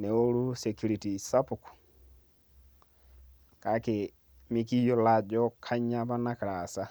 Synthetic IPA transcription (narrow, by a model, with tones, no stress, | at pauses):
nɛ˨o˦ɾu˦sɛ˨ku˦ɾi˨ti˨sa˦pu˨ku̥˨ | ka˨˦ke˨ | mi˦ki˦jɔ˦la˨d͡ʒɔ˦kʰa˦ɲa˦ba˦na˦kɾa˨sa˦